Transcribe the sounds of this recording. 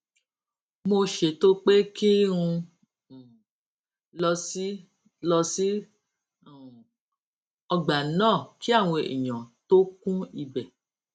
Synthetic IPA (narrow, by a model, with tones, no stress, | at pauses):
mo˧ʃe˨to˦k͡pe˦ki˦ɾ̃ũ˧˨ | lɔ˧si˦ | lɔ˧si˦˨ | ɔ˧ɡ͡ba˨˦nãː˦˨ki˦a˦˨w̃ɔ̃˧ḭ˨ɲ̃ã˨to˦kũ˦i˧bɛ˨